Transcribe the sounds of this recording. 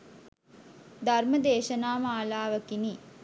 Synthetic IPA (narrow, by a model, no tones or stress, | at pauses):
d̪ʱarməd̪eːʃɐnaːmaːlaːʋəkini